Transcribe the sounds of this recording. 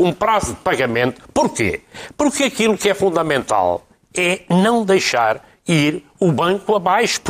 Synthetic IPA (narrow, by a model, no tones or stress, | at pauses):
ũpɾazud̪pɐɣɐmẽnt̪u̥puɾkḛpuɾkɐkilˠukɛfũnd̪ɐmẽnt̪a̰lˠ | ɛnɐ̃w̃d̪ejʃaɾ | iɾ | uβɐ̃ŋkuɐβajʃu̥p